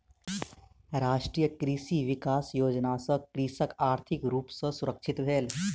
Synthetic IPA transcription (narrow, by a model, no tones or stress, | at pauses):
ɾaːʃʈɾiːjəkɾiːsiːʋɪkaːsjoːd͡ʒnasəkɾiːsəkaːɾt̪ʰɪkɾuːpsə̃sʊɾəkʃʰɪt̪bʱeːl